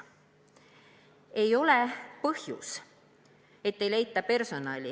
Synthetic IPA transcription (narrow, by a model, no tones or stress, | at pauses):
e̞jo̞le̞pɤhjṵs | e̞t̪ːe̞jlejt̪ːˑɑpe̞rso̞nɑlʲi